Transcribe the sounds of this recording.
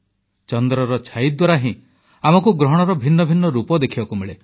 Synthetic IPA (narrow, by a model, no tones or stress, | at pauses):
t͡ʃɔnd̪ɾɔɾɔt͡ʃʰaid̪waɾaɦĩ | amɔkuɡɾɔɦɽ̃ɔɾɔbʱinːɔbʱinːɔɾupɔd̪ekʰibakumeɭe